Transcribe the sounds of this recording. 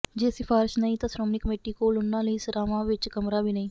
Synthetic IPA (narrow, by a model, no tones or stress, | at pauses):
d͡ʒeːsɪfʰaːɾɪʃnəĩːt̪ãːsɾoːmniːkəmeːʈiːkoːlʊnːãːləiːsəɾaːʋãːʋɪt͡ʃkəmɾaːbiːnəĩː